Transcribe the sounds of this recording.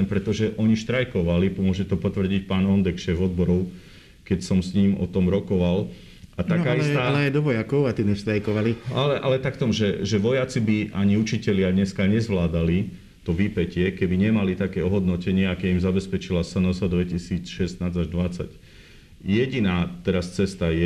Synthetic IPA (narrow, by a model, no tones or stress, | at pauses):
mpɾɛt̪ɔʒɛʔɔɲiʃt̪ɾajkɔʋalipmʊɔʒɛt̪ɔpɔt̪ʋr̩ɟic̚paːnɔnd̪ɛkʃɛːvɔd̪bɔɾɔʊ | kɛcsɔmsɲiːmɔ̰t̪ɔmɾɔkɔʋal | at̪aaist̪aalɛajd̪ɔʋɔjakɔʊat̪inɛʃt̪ɾajkɔʋalialɛʔa̰lɛt̪akt̪ɔmʒɛʒɛʋɔjat͡sibiʔaɲiut͡ʃicɛlɪad̪ɲɛskaɲɛzʋlaːd̪ali | t̪ɔʋiːpɛcɪɛkɛbiɲɛmalit̪akɛːɔɦɔd̪nɔcɛɲɪɛakɛimzabɛspɛt͡ʃilasanɔsad̪ʋɛcisiːt͡sʃɛst̪naːaʒd̪ʋat͡sa̰c | jɛɟinaːt̪ɛɾast͡sɛst̪ajɛ